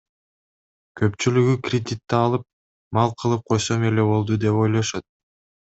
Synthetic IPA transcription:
kʰø̞pt͡ʃylyɡykrʲɪd̪ʲit̪ːɑɑlˠɯp̚ | mɑlˠqʰɯlˠɯp̚qʰo̞jso̞me̞le̞βo̞lˠd̪ud̪e̞po̞jlˠoʃot̪̚

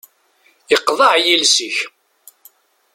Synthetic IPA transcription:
jəqːðˤɑʕjilsəç

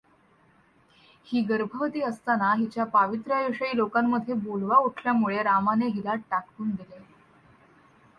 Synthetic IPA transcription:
hiːɡəɾbʱəʋət̪iːəst̪anaɦit͡ɕjapaʋit̪ɾəjəʂəiːlokamːəd̪ʱːjebolʋauʈʰljamuɭeɾamaneɦilaʈʈakɾuːnd̪ile

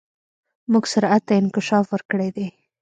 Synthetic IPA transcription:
muɡsʊɾat̪ːaɪnkɪʃɑfwəɾkəɽed̪e

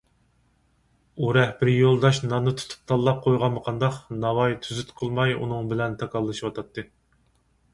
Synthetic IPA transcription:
uɾɛhbɪɾjolˠd̪ɑʃnɑnɨt̪ʰu̥t̪ʰu̥p̚t̪ʰɑlˠːɑp̚qʰojʁɑnməqʰɑnd̪ɑqnɑwɑjt̪ʰyzyt̪qʰəlˠmɑjṵnɨŋbɪlɛnt̪ʰɑkʰɑlˠːɨʃiwɑt̪ʰɑt̪ʰːɨ

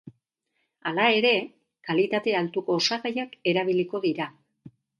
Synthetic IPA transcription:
alae̞ɾe̞ | kalit̪at̪e̞alt̪uko̞ːsaɣajake̞ɾaβ̞iliko̞ðiɾa

